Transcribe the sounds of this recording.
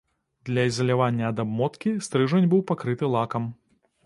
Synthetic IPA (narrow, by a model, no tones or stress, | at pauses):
d̪lʲɐizɐlʲavanʲːɐːd̪abmɔt̪kʲist̪ɾɨʐɐnʲbɨwpakɾɨt̪ɨlˠakɐm